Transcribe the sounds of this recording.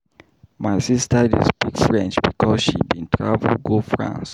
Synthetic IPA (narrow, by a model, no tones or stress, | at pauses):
maɪsistədḭzbikfɹɛ̃nt͡ʃbikʰɔsʃibĩntʰɹavɡofɹã̰ns